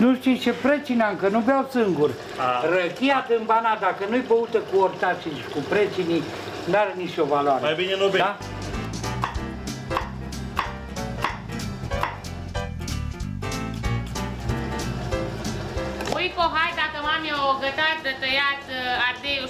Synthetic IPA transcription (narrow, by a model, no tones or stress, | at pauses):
nuʃt̪it͡ʃepɾet͡ʃinaɨŋkənubeawsɨŋɡur | rəkʲijat̪ɨmbanad̪akənujbəut̪əkuort̪at͡ʃilʃi̥kupɾet͡ʃini | nuaɾenit͡ʃovaloaɾeajbinenobed̪a | ujkoɦajd̪akəmamiawoɡət̪at̪d̪ət̪əjat̪aɾd̪ej